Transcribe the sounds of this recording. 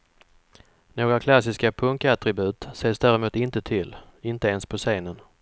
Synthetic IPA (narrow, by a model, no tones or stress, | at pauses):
noːɡɾakʰlasɪskapʰɵŋkat̪ɾɪbʉ̟ːt̪seːsd̪æːɾɛmuːt̪ɪnt̪ət̪ʰɪlː | ɪnt̪əeːnspʰɔseːnən